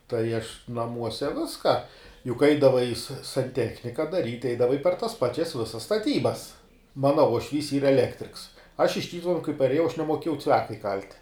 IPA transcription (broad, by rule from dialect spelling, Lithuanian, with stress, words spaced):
tɐɪ ɐʃ nɐˈmuɔsʲɛ ˈʋʲɪskɐ jʊk ˈɐɪdɐʋɐɪ sɐ sɐnʲˈtʲæːxʲnʲɪkɐ dɐˈrʲiːtʲ ˈɛɪdɐʋɐɪ pʲɛr tɐs ˈpɑːt͡ʃʲɛs ˈʋʲɪsɐs stɐˈtʲiːbɐs ˈmɑːnɐ uɔʃʲˈʋʲiːs ˈiːrɐ ɛˈlʲæːktʲrʲɪks ɐʃ ɪʃ ˈtʲiːtʊʋʲɛnʊ kɐɪ pɐrʲeːˈjɛʊ ɐʃ nʲɛmoːˈkʲeːjɛʊ ˈt͡sʲʋʲæːkɐ ɪˈkɐlʲtʲ